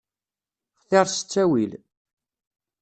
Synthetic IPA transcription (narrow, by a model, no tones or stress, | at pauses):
χθeɾˤsə̥t͡sːæwil